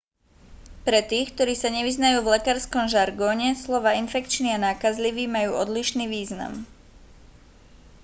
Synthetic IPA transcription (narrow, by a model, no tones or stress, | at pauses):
pɾɛt̪iːxkt̪ɔɾiːsaɲɛʋiznajuːvlɛkaːɾskɔmʒaɾɡɔːɲɛslɔʋaːinfɛkt͡ʃnianaːkazliʋiːmajuːʔɔd̪liʃniːʋiːzna̰m